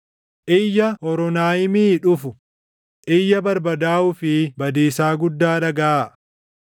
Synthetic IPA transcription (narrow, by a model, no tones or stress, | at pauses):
ʔɪjːɐhɔɾɔnaːjɪmiːᶑʊfʊ | ʔɪjːɐbɐɾbɐd̪aːʊfɪbɐd̪iːsaːɡʊd̪ːaːᶑɐɡɐʔaː